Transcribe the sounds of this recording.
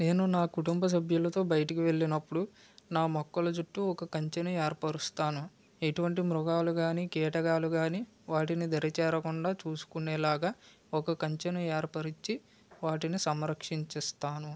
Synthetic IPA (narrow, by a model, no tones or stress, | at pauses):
ne̞ːnunaːkuʈumbɐs̬ɐbʱjulɐt̪o̞ːbɐjɐʈɐkiʋe̞ɭːinɐpːuɽu | naːmɔkːɐlɐt͡ʃuʈːuɔkɐkɐɲt͡ʃɐnuaːɾpɐɾust̪aːnu | eʈuʋɐɳʈimɾuɡaːluɡaːniːkɛːʈɐɡaːluɡaːniː | ʋaːʈ̬inid̪ɐɾɐt͡ʃɛːɾɐkuɳɖaːt͡ʃuːsu̥kunɛːlaːɡaː | ɔkɐkɐɲt͡ʃɐnuaːɾpɐɾit͡ʃːi | ʋaːʈinisɐmɾɐkʂiɲt͡ʃist̪aːnu